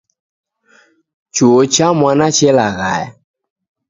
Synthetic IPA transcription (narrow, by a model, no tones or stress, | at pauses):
t͡ʃot͡ɕamãnãt͡ʃelaɣa̰j